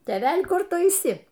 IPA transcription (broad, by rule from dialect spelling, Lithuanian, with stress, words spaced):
tʲeːˈʋʲɛlʲ ˈkʊr ˈtʊ ɐɪˈsʲɪ